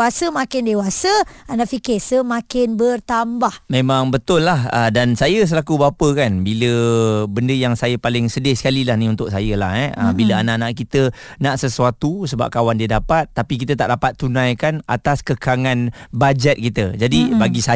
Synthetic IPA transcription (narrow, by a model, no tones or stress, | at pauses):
asəmãkɪndewasəanãʔfikɪsəmãkɪnbərt̪ambahmẽmãŋbət̪ʊlːahə̰dansajəs̬əlakubapəkanbiləbəndəjaŋsajəpalɪŋsədɪhsə̥kalilahnĩunt̪ʊk̚sajəla̰hɛə̰biləanaʔnaʔkit̪ənaʔsəsuat̪usəba̰p̚kawandiədapat̪̚ːapik̬it̪ət̪a̰ʔdapat̪ːunãjkana̰t̪askəkaŋanbad͡ʒɛt̪̚kit̪əd͡ʒadibaɡisa